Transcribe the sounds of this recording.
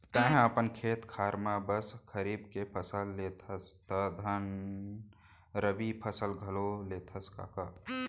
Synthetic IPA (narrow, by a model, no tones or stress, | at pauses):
t̪ə̃ɦəpənkʰeːt̪kʰaːɾmabəskʰəɾiːbkepʰəsəlːeːt̪ʰəst̪əd̪ʱɐn | ɾəbipʰəsəlɡʱɐloleːt̪ʰəska̰ːka